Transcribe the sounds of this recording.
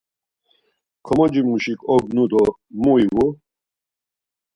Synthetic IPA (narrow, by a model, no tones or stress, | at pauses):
kʰɔmɔd͡ʒimuʃikʼɔɡnud̪ɔ | muiwu